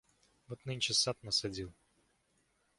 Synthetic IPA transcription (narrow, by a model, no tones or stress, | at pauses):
vot̪nɨnʲt͡ʃɪsat̪nəsɐdʲilˠ